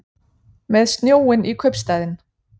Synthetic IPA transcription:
meðsnjoːənʔikʰøpst̪æðən

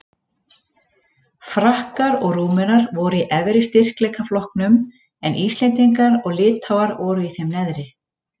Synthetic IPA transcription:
fɾahkaɾɔɣruːmʏnaɾvɔːɾʏiʔɛvɾɪst̪ɪr̥klɛːkaflɔhknʏm | ɛnʔiːst̪ɛjnt̪iŋkaɾɔɣlɪːt̪hawaɾɔːɾʏiθɛjmnɛðɾɪ

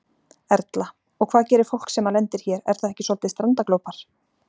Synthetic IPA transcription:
ɛɾt̪la | ɔɣkʰvaːðcɛːɾɪɾ̥fowl̥ksɛmːalɛnt̪ɪɾ̥çɛːɾɛ̰ɾ̥θaðɛhcɪsɔlt̪ɪst̪ɾant̪aklowpaɾ̥

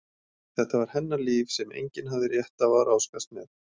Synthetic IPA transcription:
θɛht̪avaɾ̥hɛnːaliːvsɛmḛjɲcɪnɦavðɪɾjɛht̪avaɾʔaːwskast̪mɛð

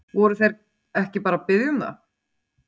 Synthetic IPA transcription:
vɔɾʏθejɾ | ɛhcɪpaːɾapɪðjʏmða̰

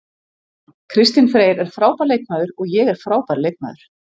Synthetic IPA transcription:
kʰɾɪst̪ɪnfɾeːjɾɛɾ̥fɾaːwpaɾleːjk̚naðʏɾɔɣjɛɣɛɾ̥fɾaːwpaɾlejk̚na̰ðʏɾ̥

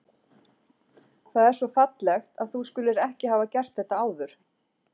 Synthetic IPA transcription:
θaðɛɾ̥sɔfat̪lɛxt̪aðθuskʏlɪɾɛhcɪɦaːvacɛr̥t̪θɛht̪aaːwðʏɾ̥

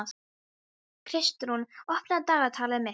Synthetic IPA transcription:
kʰɾɪst̪ɾunɔhpnat̪aːɣat̪ʰaːlamɛ

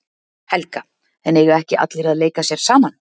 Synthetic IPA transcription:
hɛlka | ɛnɛɣʏɾɛhcɪʔa̰t̪lɪɾaðleːjkasjɛɾ̥saːman

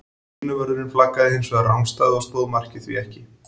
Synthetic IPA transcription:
nʏvœɾðʏɾɪnflakːaðɪhɪnsvɛɾawmst̪aːðast̪oːðmar̥cɪθviɛhcɪ

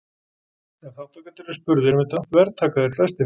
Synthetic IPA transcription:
θɛθawt̪ʰakat̪ʰɪlɪ̥spʏɾðɪɾmɪt̪ant̪vɛɾt̪ʰaːkaðɪɾflɛ̥st̪ɪ

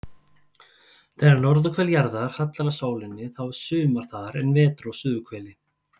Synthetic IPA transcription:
θɛːnaɾnɔɾðʏkʰvɛljaɾðaɾ̥hat̪laɾasaːwlɪnːɪθaw̥sʏːmaɾ̥θaɾɛnvɛːt̪ɾosʏːðʏkʰvɛːlɪ

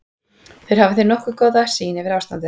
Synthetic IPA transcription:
θœɥɾhavɪθejɾnɔhkʏkɔwðasiːnɪvɪɾaːwst̪ant̪ɪ

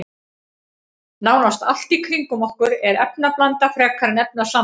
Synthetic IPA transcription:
naːwnast̪al̥t̪ikʰɾiŋkʏmɔhkʏɾɛɾɛpnaplant̪afɾɛːkʰaɾɪnɛp̚nasaː

